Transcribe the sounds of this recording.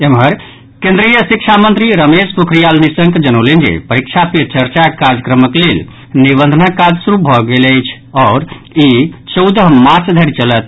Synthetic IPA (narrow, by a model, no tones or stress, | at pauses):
emɦəɾ | kẽnd̪ɾijəsik̚t͡ʃʰamənt̪ɾiɾəmespukʰɾijalnisəŋkd͡ʒənoʊlend͡ʒḛpəɾikt͡ʃʰapit͡ʃəɾt͡ʃakaɾd͡ʒəkɾəməklel | nibənd̪ʱənakad͡ʒsuɾubʱɔɡeləjt͡ʃʰ | ɔːɾ | it͡ʃəwd̪əɦmaɾt͡ʃd̪ʱəɾit͡ʃələt̪̚ʰ